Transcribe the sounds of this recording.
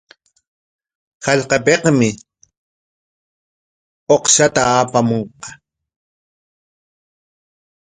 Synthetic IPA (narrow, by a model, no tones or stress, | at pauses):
xaʎqɑpeqmɪ | oqʃat̪aaːpamoɴqɑ̥